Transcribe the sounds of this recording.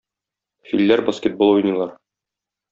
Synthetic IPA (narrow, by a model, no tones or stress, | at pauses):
filːæɾbɐskʲet̪̚bolˠujnɤlˠɑɾ